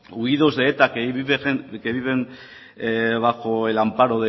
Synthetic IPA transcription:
uiðozðeːt̪akeiβeekeβiβen | βakoelampaɾoðe

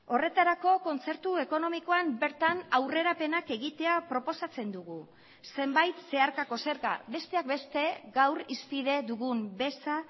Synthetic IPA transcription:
o̞re̞t̪aɾako̞ko̞nt͡seɾt̪ue̞ko̞no̞miko̞ambe̞ɾt̪anawre̞ɾape̞nake̞ɣit̪e̞apɾo̞po̞sat͡se̞nd̪uɣu | se̞mbajt̪se̞aɾkako̞se̞ɾɣa̰βe̞st̪e̞ak̚be̞st̪e̞ɣawrispiðe̞ðuɣumbe̞sa

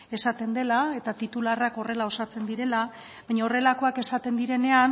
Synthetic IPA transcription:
e̞sat̪e̞nd̪e̞lae̞t̪at̪it̪ularako̞re̞lao̞sat͡se̞nd̪iɾe̞la | βaɲaore̞lako̞ake̞sat̪e̞nd̪iɾe̞ne̞an

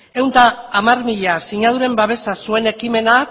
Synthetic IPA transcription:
e̞wnt̪aːmarmiʎasiɲað̞uɾe̞mbaβe̞sasue̞ne̞kime̞na

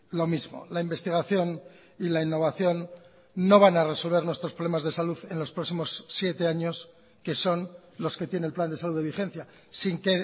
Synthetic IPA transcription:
lo̞mizmo̞̰laimbe̞st̪iɣ̞aθjo̞n | ilainːo̞β̞aθjo̞nː | o̞β̞anare̞so̞lβ̞e̞ɾnwest̪ɾo̞spɾolemazðe̞saluðe̞nlo̞spɾo̞ksimo̞sːje̞t̪e̞aɲo̞s | ke̞so̞n | lo̞ske̞t̪jeneelpland̪e̞saluðeixẽ̞n̟θja | siŋke̞

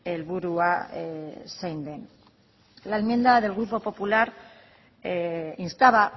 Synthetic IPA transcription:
elβuɾua | sejnd̪e̞n | laelmjend̪aðe̞lɣɾupo̞po̞pulaɾ | inst̪aβa

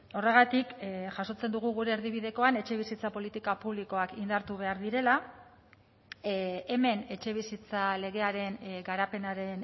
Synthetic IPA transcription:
o̞re̞ɣ̞at̪ikʝaso̞t͡se̞nd̪uɣuɣ̞uɾe̞ːɾðiβ̞iðe̞ko̞ane̞t͡ʃe̞β̞isit͡sapo̞lit̪ikapuβ̞liko̞akind̪aɾt̪uβ̞e̞aɾðiɾe̞la | e̞me̞ne̞t͡ʃe̞β̞isit͡sale̞ɣ̞e̞aɾe̞nɡaɾape̞naɾe̞n

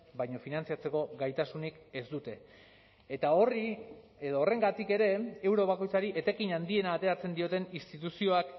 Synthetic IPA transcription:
bajɲo̞finant͡siat͡se̞ko̞ɡajt̪asunike̞zd̪ut̪e̞ː | t̪aori | eðoːre̞ŋɡat̪ike̞ɾe̞ewɾo̞β̞ako̞jt͡saɾiʔe̞t̪e̞kiɲand̪ie̞naːt̪e̞ɾat͡se̞nd̪io̞t̪e̞nist̪it̪usio̞ak

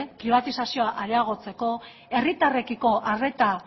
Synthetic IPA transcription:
pɾiβ̞at̪isasio̞aʔaɾeaɣ̞o̞t͡se̞ko̞ | e̞rit̪are̞kiko̞ʔare̞t̪a

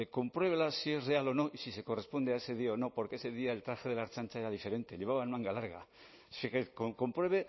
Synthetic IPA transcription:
eko̞mpɾwe̞βelasie̞zre̞alo̞no̞ʔisise̞ko̞re̞spo̞nd̪eae̞se̞ðiaono̞po̞ɾkeese̞ðiaelt̪ɾaxeð̞e̞laɾt͡ʃant͡ʃae̞ɾaðife̞ɾẽ̞nt̪e̞ʎe̞β̞aβanmãŋɡalaɾɣ̞a̰ | fiekoko̞mpɾwe̞β̞e̞

